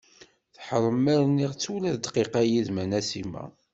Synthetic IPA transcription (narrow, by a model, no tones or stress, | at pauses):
θħəɾˤəmːæɾnːiʁt͡sːulæðd̪qiqæjiðmænæsimæ̰